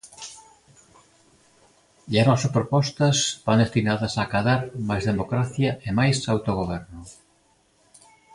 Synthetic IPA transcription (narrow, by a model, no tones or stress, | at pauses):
anɔsɐpɾopɔst̪ɐsbaŋd̪est̪inaðɐsakaðaɾmajzðemokɾaθjɐemajsawt̪oɣ̞oβ̞ɛɾnʊ